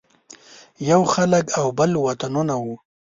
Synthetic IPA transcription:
jawxaləkawbəlwat̪anunawu

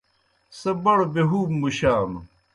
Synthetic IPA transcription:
sɐbɐɽobeɦuːbmuɕaːm

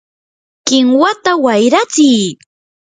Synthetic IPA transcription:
kɪŋwat̪awajɾat͡sɪj

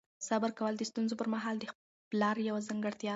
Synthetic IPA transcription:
sabəɾkawəld̪əst̪unzopəɾmaɦɑld̪ə | plɑɾjawazaŋɡəɽt̪jɑ

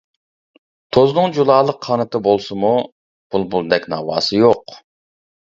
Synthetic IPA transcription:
t̪ʰoznɨŋd͡ʒulˠɑːlˠəqʰːɑnɨt̪ʰɨbolˠsɨmu | b̥ulˠbulˠd̪ɛkʲnɑ̰ːwɑ̰ːsɨjoq

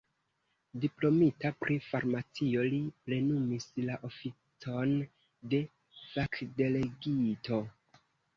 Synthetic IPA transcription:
diplo̞mitapɾʔifaɾmat͡sio̞liple̞numislaʔo̞fit͡so̞n | de̞ | fakde̞le̞ɡitʰo̞

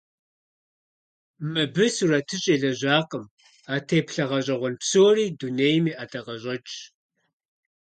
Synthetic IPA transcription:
mɨbɨsuratʰɨɕʼeːɮɐʑʷaːqəm | aːtʰeːpɬɐʁɐɕʼɐʁʷɔnpsoːriːduneːjmiːʔaːtʰɐʁɐɕʼɐt͡ʃʼ

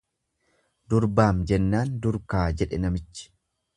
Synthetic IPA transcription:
d̪ʊɾbaːmd͡ʒɛnːaːnd̪ʊɾkaːd͡ʒɛᶑɛnɐmɪt͡ʃːɪ̥

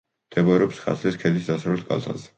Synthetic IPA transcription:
d̪̥ʰɛbɔɾɛɔpsχa̰sʰliskʰɛd̪isd̪asɾɛlskʼa̰lˠt̪ʰa̰zɛ̥

